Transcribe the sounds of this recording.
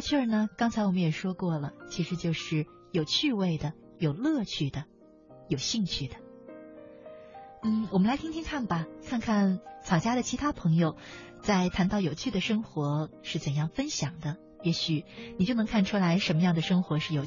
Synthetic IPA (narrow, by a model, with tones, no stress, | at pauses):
t͡ɕʰɛ˥˩nə˩kɑ˥ŋt͡sʰa˧˥ɪwɔ˨˩mə˦njɛ˨˩ʂwɔ˥kwɔ˥˩lə˩t͡ɕʰi˧˥ʂɻ̩˧˥t͡ɕjo˥˧ʊʂɻ̩˥˩ | jo˨˩ʊt͡ɕʰy˥˧we˥˩ɪd̪ə˩ | jo˨˩ʊlɤ˥˧t͡ɕʰy˥˩d̪ə˩ | jo˨˩ʊɕi˥˧ŋt͡ɕʰy˥˩d̪ə̥˩ | n̩˥˩wɔ˨˩mə˦la˧˥t̪ʰi˥ŋt̪ʰi˥ŋkʰa˥˩nbɐ˩kʰa˥˧nkʰa˥˩nt͡sʰɑ˨˩ʊt͡ɕja˥ɾə˨t͡ɕʰi˧˥t̪ʰa˥pʰɤ˧˥ŋjo˧ʊ | t͡sa˥˩ɪt̪ʰa˧˥nt̪ɑ˥˩ʊjo˨˩ʊt͡ɕʰy˥˩d̪ə˩ʂɤ˥ŋxwɔ˧˥ʂɻ̩˥˩t͡sə˨˩njɑ˥˩ŋfə˥nɕjɑ˨˩ŋd̪ə˦ | jɛ˧˥ɕy˨˩˦ni˨˩t͡ɕjo˥˩ʊnɤ˧˥ŋkʰa˥˩nʈ͡ʂʰu˥la˧˥ɪʂə˧˥nmə˧jɑ˥˩ŋd̪ə˩ʂɤ˥ŋxwɔ˧˥ʂɻ̩˥˩jo˨˩ʊ